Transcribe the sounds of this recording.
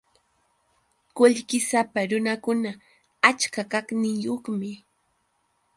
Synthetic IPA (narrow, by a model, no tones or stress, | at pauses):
kʊʎkɪsapaɾʊnakʊna | at͡ʃkakaknɪŋjoχmɪ